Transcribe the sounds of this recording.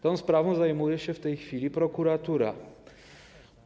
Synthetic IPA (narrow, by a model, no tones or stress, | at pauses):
t̪ɔnspɾavnozaɛmuɾɛʃɛft̪ɛjxfilipɾokuɾat̪uɾa̰